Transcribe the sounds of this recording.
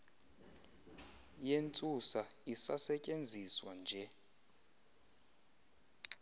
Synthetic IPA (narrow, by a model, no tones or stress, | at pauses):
jent͡sʼusaisasɛcʼend͡zʱiswand͡ʒʱɛ